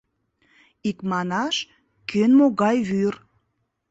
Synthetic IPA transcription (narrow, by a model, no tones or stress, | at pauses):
ikmɑnɑʃ | kʰønmoɣɑjβyr